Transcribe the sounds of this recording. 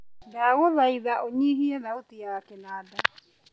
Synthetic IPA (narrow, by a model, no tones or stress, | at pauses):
daɣoðaiðaʔoɲiɦiɛðaotijakɛnaːda